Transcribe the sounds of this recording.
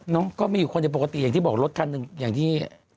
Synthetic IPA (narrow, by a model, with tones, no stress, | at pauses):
nɔ˦˥kɔː˥˩maː˧juː˨˩kʰo˧nt͡ɕa˨˩po˨˩ka˧t̪i˨aː˨˩ŋt̪iː˥˩bɔː˨˩k̚lo˦˥t̪̚kʰa˧nːɯ˨˧ŋjaː˨˩ŋt̪ʰiː˥˩